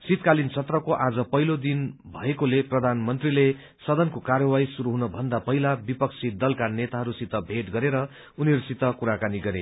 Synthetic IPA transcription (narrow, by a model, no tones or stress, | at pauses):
sit̪kalint͡sʰʌt̪rʌkoʔad͡zʌpʌɦilod̪inbʱʌekoleprʌd̪ʱanmʌnt̪rile | sʌd̪ʌnkokarjʌwajsuɾuɦunʌbʱʌnd̪apʌɦilabipʌksʰid̪ʌlkanet̪aɦʌɾusit̪ʌbʱeʈɡʌɾeɾʌ | uniʌɾusit̪ʌkuɾakaniɡʌɾḛ